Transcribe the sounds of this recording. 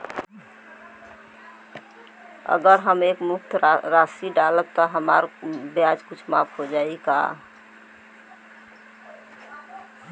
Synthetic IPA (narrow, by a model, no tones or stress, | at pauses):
ə̰ɡəɾɦəmekmuk̚t̪ʰɾɾasiɖalət̚t̪ɔɦəma̰ɾbjad͡ʒkut͡ʃʰma̰pʰɦod͡ʒaika̰